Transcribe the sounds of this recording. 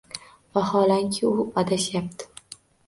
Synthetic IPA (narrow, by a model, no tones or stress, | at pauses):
vahɒlaŋkʲʰɪʊad̪aʃjap̚t̪ʰɪ̥